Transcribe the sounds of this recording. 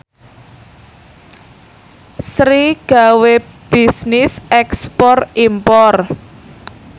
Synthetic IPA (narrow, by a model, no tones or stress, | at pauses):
sɾiɡ̥a̤web̥isnɪsɛkspɔrimpɔr